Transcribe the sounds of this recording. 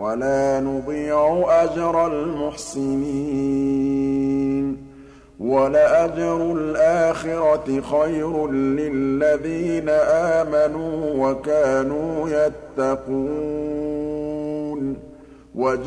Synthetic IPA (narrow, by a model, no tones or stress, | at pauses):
walaːnʊd̪ˤiːʕʊʔad͡ʒɾˤalmʊħsɪniː | n | walaʔad͡ʒɾˤʊlʔaːxɪɾˤɑxajɾːɪlːaðiːnaʔaːmanuːwakaːnuːjat̪ːaquː | n | wad͡ʒ